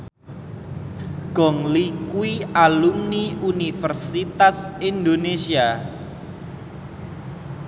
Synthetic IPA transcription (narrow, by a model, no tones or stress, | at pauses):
ɡ̥ɔ̤ŋlikuialumniunifərsit̪asind̪onesia